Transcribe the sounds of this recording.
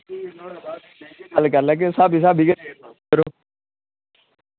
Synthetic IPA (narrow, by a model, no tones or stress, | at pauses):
əlkəɾlɛːk̬ɪsaːbis̬aːbʱiɡə | əɾoː